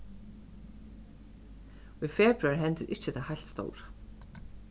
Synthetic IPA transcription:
iðfɛːpɾaɾɪɦɛnt̪ɪɾʔɪhcːɪt̪ʰahajl̥t̪st̪o̰ːwɾḁ

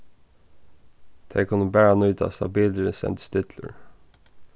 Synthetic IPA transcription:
d̪̥ʰeɪkʰʊnəbæːɹɑnʉːt̪ʰɑ̰ːst̪ɑbiːlɾəsɛ̰nt̪st̪ɪt̪ʰlə̰ɹ

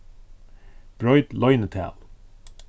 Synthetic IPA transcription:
b̥ɹɔʏd̪lɔʏnət̪ʰæ̰lˠ

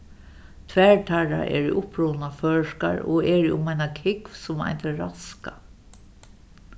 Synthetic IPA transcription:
t̪ʰʋɛɹʈʰaɹa̰ʔɛ̰ːɹḭʔʊpɹoːnafœːʂka̰ɹɔɛɹiʔʊmajnakʰɪkvsʊma̰jnt̪ɛɹaska

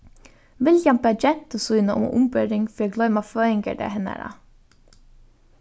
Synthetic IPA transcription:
ʋɪljɛmbɛd͡ʒɛnt̪əsʉːnəʔʊ̰mʊ̰mbœɾɪŋfiːɡlœʏmɑføːɪŋɡə̰ɖə̰hɛnə̰ɾɑ̰

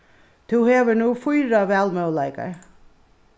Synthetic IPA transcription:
t̪ʰuwheːʋənuːfujɾaʋɛːlmœwlajka̰ɹ

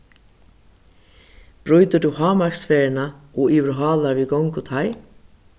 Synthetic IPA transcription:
b̥ɾʉʏd̪əɖʉːhɑːmɑɹksfeːəɳɑoːʔɪʋɾʊɦɑːlɑɾʋiːɡɔŋkot̪ʰɑɪ

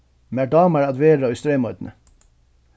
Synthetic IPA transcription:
mæːɖɑːməɾɑd̪ʋeːɾɾoːʉst̪ɾeːmɔʏd̪n̩ə̰

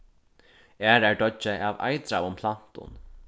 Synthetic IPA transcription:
ɛːɾæɹɖɔt͡ʃːəʔaːva̰jt̪ɾawʊmpʰlan̥t̪ʊ̰n

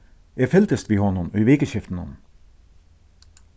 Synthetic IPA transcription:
ʔeːfɛlt̪əst̪ʋiːhɔnɔnœʏʋeːkəçɪft̪n̩ɔ̰n

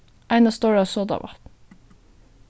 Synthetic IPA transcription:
ʔæɪnɑst̪oːɹɑːsoːd̪ɑ̰ʋɑ̰

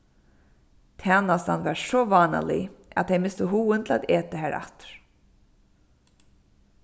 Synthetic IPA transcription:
t̪ʰaːnasa̰nvaɹsɔːvaːna̰lɪ̰a̰ðt̪ejmɪst̪əɦuːɪnt̪ʰla̰ːt̪eːt̪ɪɦæːɾa̰t̪ɹ̥

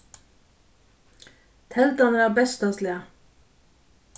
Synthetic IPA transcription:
t̪ʰɛld̪ɑnəæːʁbɛst̪ɑslɪə

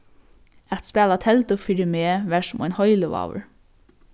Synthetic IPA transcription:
ɛt̪spæːlat̪ʰɛlt̪ʊfiːɾɪmeːʋæʂʊmʔɔ̰jnhɔjləʋa̰ːwə̰ɹ

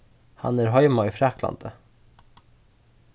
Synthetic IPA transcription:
hɑ̰næɾɦɔjmaifɾæːkla̰nd̪ə

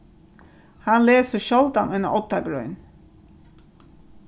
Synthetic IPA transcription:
hɑnleːsəʃɔlt̪ɑnʉnə̰ʔɔt̪ɑɡɾʉ̰ʏn

